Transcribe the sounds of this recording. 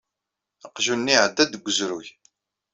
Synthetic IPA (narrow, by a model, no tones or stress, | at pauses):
əqʒunːiʕəd̪ːæd̪ɡʷːəzɾuç